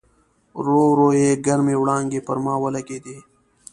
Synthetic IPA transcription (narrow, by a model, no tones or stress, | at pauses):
ɾoːɾoːeːɡɐɾmẽːwɽãːŋɡeːpɐɾmãːwɐlɐkeːd̪eː